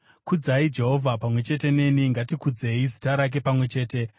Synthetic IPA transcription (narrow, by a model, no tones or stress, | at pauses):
kud͡zaid͡ʒe̞ɦo̞vʱapamwe̞t͡ʃe̞te̞ne̞niŋɡatikud͡ze̞izitaɾak̬e̞pamwe̞t͡ʃe̞ːte̞